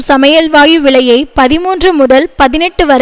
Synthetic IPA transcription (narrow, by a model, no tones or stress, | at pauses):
sɐmɐjɐlʋaːjɯʋɪɭɐjɐɪpɐðɪmuːndrɯmʊðɐlpɐðɪnɛʈːɯʋɐɾ